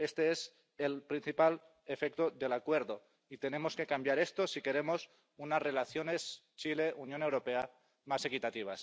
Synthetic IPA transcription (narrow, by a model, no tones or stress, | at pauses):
e̞st̪e̞es | elpɾin̟θipal | efek̚t̪oðe̞lakwe̞ɾðo̞ | it̪e̞ne̞mo̞ske̞kambjaɾe̞st̪osike̞ɾe̞mos | unazre̞laθjo̞ne̞st͡ʃile̞ʔunjone̞wɾo̞pe̞a | mase̞kit̪at̪iβ̞a̰s